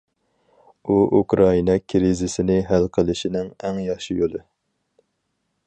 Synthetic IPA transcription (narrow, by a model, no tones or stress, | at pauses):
uukɾɑinɑkʲʰɾizɪsɪnɪɦælqʰəlˠɪʃinɪŋɛŋjɑχʃijolˠɨ